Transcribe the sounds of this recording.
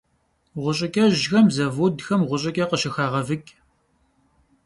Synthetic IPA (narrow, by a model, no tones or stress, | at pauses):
ʁʷʊɕʼɪkʲʼɐʑxɐmzɐvudxɐmʁʷʊɕʼɪkʲʼɐqəʃɪxaːʁɐvɨkʲʼ